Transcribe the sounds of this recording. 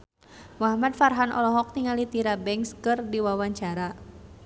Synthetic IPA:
maɦamad̚farɦanʔɔ̰lɔɦɔk̚t̪iŋalit̪iɾabɛŋskɨrdiwawaɲt͡ʃaɾa

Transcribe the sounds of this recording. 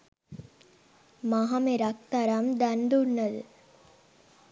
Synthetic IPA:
maɦameɾak̚t̪aɾamd̪and̪unːəd̪ə

